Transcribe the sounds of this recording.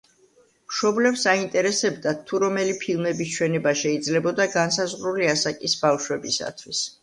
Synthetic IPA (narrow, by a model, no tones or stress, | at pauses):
mʃɔblɛpsaint̪ʼɛɾɛsɛbd̪at̪ʰːuɾɔmɛlipʰilˠmɛbist͡ʃʰwɛnɛbaʃɛid̪zlɛbɔd̪aɡansazʁɾuliasakʼisbafʃwɛbisa̰t̪ʰwis